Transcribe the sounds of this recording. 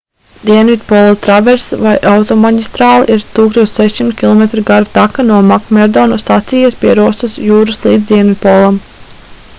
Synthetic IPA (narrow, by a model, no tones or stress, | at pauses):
d̪iɛnvit̪̚pɔlˠat̪ɾaveɾsvajʔawt̪ɔmaɟʲist̪ɾaːl̰ˠʔiɾt̪uːkst̪oɔt͡ʃ̪ʲsɛʃʲsimt̪̚kʲilˠɔmet̪ɾuɡaɾut̪akanuɔmakmɛɾd̪ɔnust̪at̪sijaspʲiɛɾuɔst̪ɨsjuːɾɨslˠiːd̪d̪ʲiɛnvʲid̪̚pɔlˠam